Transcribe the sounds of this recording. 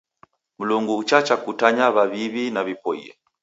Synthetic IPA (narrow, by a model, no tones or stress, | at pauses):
m̩luŋɡuːt͡ʃat͡ʃakutaɲaβaβiβinaβipɔḭɛ̰